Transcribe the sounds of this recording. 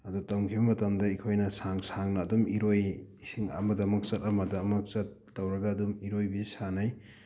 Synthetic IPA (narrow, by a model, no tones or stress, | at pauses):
ɐdutɐwŋkʰibɐmɐtɐmdɐikʰojnɐsaŋsaŋnɐːdumiɾoj | siŋɐ̰mɐdɐmɐk̚t͡ʃɐtɐmɐdɐmɐk̚sɐt̚ːɐwɾɐɡɐːdumiɾojbisanaj